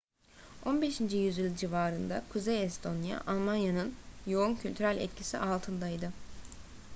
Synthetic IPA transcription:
o̞nbe̞ʃind͡ʒijyzylʲd͡ʒivaːɾɯnd̪akʰuzejɛst̪ʰo̞nja̰ʔalˠmanjanɯnjo̞uncʰylʲt̪ʰyɾælʲɛ̰t̪cʰisiʔalˠt̪ʰɯnd̪ajd̪ɯ

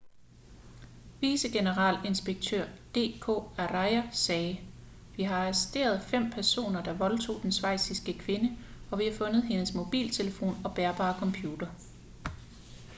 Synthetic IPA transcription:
ʋiːsəɡ̥e̝nəʁɑ̰̈le̝nsb̥eɡ̥̚t͡sʰø̰ɐ̰d̥e̝̰ːkʰo̝̰ːæʁɑɪɐsɛː | ʋiɦɑ̈sisd̥e̝̰ːɐð̞ˠfem̰pʰæɐso̝̰ːnɐd̥ɑ̈ʋɒ̽lt͡sʰo̝̰ːd̥ensʋɑ̈ɪ̰sisɡ̥əkʰʋe̝nəɒ̽ʋihɑ̈fɔ̽nð̞̩ˠɦe̝nəsmo̝b̥ḭːlt͡sʰe̝ləfo̝̰ːnɒ̽b̥æɐb̥ɑ̰̈ːkʰɒ̽mpʰjuːd̥ɐ

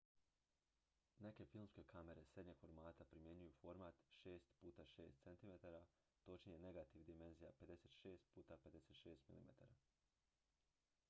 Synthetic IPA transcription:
ne̞ke̞filˠmske̞kʰame̞ɾe̞sɾe̞d̪ɲeɡ̥fo̞ɾmaːt̪apɾimje̞ɲujufo̞ɾmat̪ʃe̞ːst̪puːt̪aʃeːst̪se̞nt̪imet̪aɾa | t̪o̞t͡ʃnijene̞ɡat̪iʋd̪ime̞nzijape̞d̪e̞set̪ʃe̞ːst̪̚puːt̪aped̪e̞se̞t̪ʃe̞ːst̪mḭlḭmḛt̪a̰ɾa

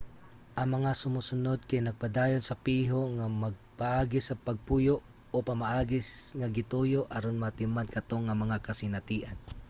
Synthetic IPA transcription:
ʔɐŋmɐŋasʊmusʊnod̪̚kajnɐɡ̚pad̪aːjonsɐpiːɦoŋamɐɡ̚paʔaːɡɪsɐpɐɡ̚puːjoʔ | opɐmaʔaːɡɪsŋɐɡɪt̪ujoʔɐɾonmɐt̪ɪmankɐt̪oŋɐmɐŋakɐsɪnɐt̪iːʔan

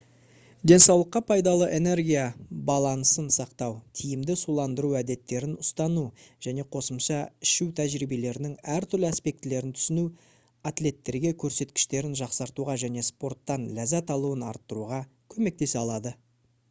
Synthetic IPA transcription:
d̪e̞nsɑwlˠəqːɑpʰɑjd̪ɑlˠəʔe̞ne̞ɾɡʲijabɑlˠɑnəsənsɑqt̪ɑwt̪ʰijɪmd̪ɪsulˠɑnd̪əɾuæd̪e̞t̪ːe̞ɾɪnʊst̪ɑnuʒ̥æne̞qʰo̞səmʃɑɪʃuwt̪ʰæʒɾibe̞le̞ɾɪnɪŋæɾt̪ʰʏɾlɪaspe̞k̚t̪ɪle̞ɾɪnt̪ʰʏ̥sɪnu | at̪le̞t̪ːe̞ɾɡʲe̞kʲʰɵɾse̞t̪kʲɪ̥ʃt̪e̞ɾɪnʒɑqsɑɾt̪uʁɑʒæne̞spo̞rt̪ːɑnlæzæt̪ɑlˠuwənɑ̰ɾt̪ːəɾuʁɑkʲʰɵme̞k̚t̪e̞seɑlˠɑd̪ə

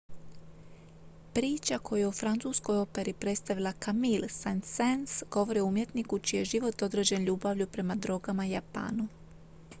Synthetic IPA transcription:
pɾiːt͡ʃako̞jujeufɾant̪suːsko̞jo̞pe̞ɾipɾe̞t̪st̪aʋilˠakamilsansensɡ̥o̞ʋo̞ɾioumje̞t̪nikut͡ʃije̞ʒiʋo̞t̪o̞d̪ɾed͡ʑe̞nʎuːbaʋʎupɾe̞mad̪ɾo̞ɡamajapa̰ːnu

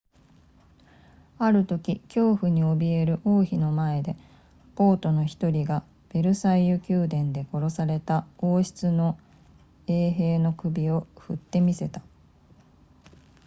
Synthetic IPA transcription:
aɾɯ̟t̪o̞kʲikʲo̞ːɸɯ̟ɲ̟io̞bʲie̞ɾɯ̟ʔo̞ːçino̞mae̞d̪e̞ | po̞ːt̪o̞no̞çi̥t̪o̞ɾʲiɡa | b̥e̞ɾɯ̟saijɯkʲɨːd̪ẽ̞nd̪e̞ko̞ɾo̞saɾe̞t̪ao̞ːɕi̥t͡sɨno̞ | e̞ːɦe̞ːno̞kɯ̟bʲio̞ɸɯ̟t̪ːe̞mʲise̞t̪ḁ

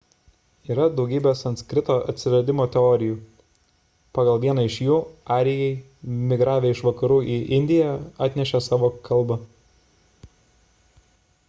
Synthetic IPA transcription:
iːɾɐd̪ɒʊɡʲiːbʲeːsɐnt̪skɾʲɪt̪oːʔɐ̰t̪ʲsʲɪʋɐd̪ʲɪmoːt̪ʲɛɔːɾʲɪjuː | pɑːɡɐlˠʋʲiɛnɐɪʃjuːɑːɾʲɪjɛɪ | mʲɪɡɾɑːʋʲeːɪʃʋɐkɐɾuːʔiʔɪnʲd̪ʲɪjɛɑːt̪ʲnʲɛʃʲɛsɑːʋoːkʰɐlˠbɐ

